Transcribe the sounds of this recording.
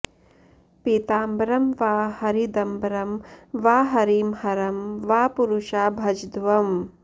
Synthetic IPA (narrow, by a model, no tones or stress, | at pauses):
pit̪aːmbɾɐmʋaːhɐɾid̪ɐmbɾɐmʋaːɦɐɾiːmhɐɾɐmʋaːpuɾuʃaːbʱɐd͡ʒd̪ʋɐm